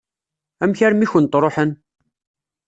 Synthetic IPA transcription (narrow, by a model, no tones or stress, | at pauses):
æmçæɾmiçənt̪ɾˤoħən